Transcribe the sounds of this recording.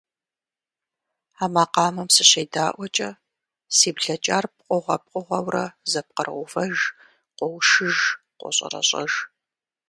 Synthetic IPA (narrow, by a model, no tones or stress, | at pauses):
aːmaːqɑːmɐmsɨɕeːdaːʔʷɔt͡ʃʼɐ | siːbɮɐt͡ʃʼaːrp̚qʷʼɔʁʷɐp̚qʷʼʊʁɐwrɐzɐp̚qərʁʷʊfɐʒ | qʷɔwʃɨʒ | qʷɔ̰ɕʼɐ̰rɐ̰ɕʼɐ̰ʒ